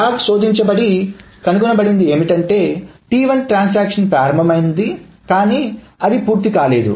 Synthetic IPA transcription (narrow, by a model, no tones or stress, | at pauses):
aːkso̞ːd̪iɲt͡ʃɐbɐɽi | kɐnuɡunɐbɐɽind̪ie̞ːmiʈɐɳʈe̞ːʈiːʋɐnʈɾaːns̬aːkʂɐnpɾaːɾɐmbʱɐmɐjind̪i | kaːniː | ɐd̪ipuːɾt̪ikaːle̞ːd̪ṵ